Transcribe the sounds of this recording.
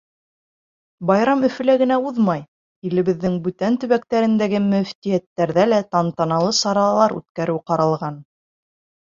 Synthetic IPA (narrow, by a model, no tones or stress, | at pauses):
bɑjɾɑmɵ̆fɵ̆læɡɘ̆næuðmɑj | ilɘ̆βɘ̆ðːɘŋbʉt̪ænt̪ɵ̆βækt̪æɾɘ̆nd̪æɡɘmɵ̆ft̪ijæt̪ːæɾðælæt̪ɑnt̪ɑnɑlˠɤsɑɾɑlˠɑɾʉ̰t̪̚kæɾɘwqɑɾɑlˠʁɑn